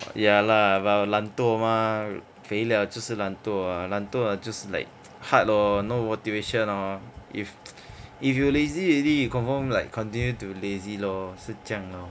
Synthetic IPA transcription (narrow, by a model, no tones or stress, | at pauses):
jalabalãnt̪oma | feliat͡ʃuslãnt̪oalãnt̪ɔad͡ʒɔsla̰jk̚ | hat̚lonomot̪iveʃɔ̃nɔif | ifjuleziudikɔ̃nfɔmlajkʰːɔ̃ntĩnjutulezilosət͡ʃãŋlɔ